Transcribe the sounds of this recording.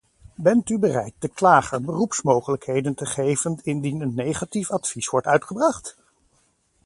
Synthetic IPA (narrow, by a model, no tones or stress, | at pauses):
bɛntybərɛjt̚d̥əklaːχənbərupsmowχələkɦejdəntəχejvənɪndinənːejχatifɑtfisʋɔɹtœɥtχəbrɑχt